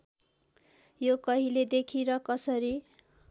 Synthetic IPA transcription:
jokʌɦiled̪ekʰiɾʌkʌsʌɾi

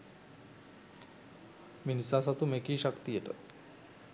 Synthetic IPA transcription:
minisas̬at̪umekiːɕəkt̪ijet̪ə̰t̪

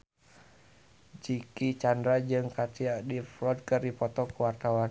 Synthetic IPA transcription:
d͡ʒikit͡ʃandɾad͡ʒɨŋkat̪iaʔdiflɔd̪̚kɨrdipɔt̪ɔkuwart̪awan

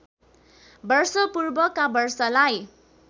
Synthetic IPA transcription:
bʌrsʌpurbʌkabʌrsʌlaj

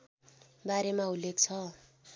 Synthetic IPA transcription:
baɾemaulːek̚t͡sʰʌ

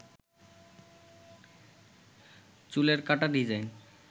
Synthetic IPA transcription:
t͡ɕuleɾkaʈad̪id͡ʑajn

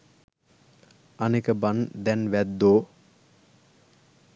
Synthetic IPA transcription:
anekəband̪ɛnʋæd̪ːoː

